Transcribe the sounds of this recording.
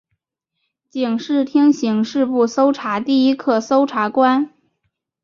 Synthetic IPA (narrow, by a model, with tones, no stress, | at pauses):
t͡ɕi˨˩ŋʂɻ̩˥˩t̪ʰi˥ŋɕi˧˥ŋʂɻ̩˥˧pu˥˩so˥ʊʈ͡ʂʰa˧˥t̪i˥˩i˥kʰɤ˥˩so˥ʊʈ͡ʂʰa˧˥kwa˥n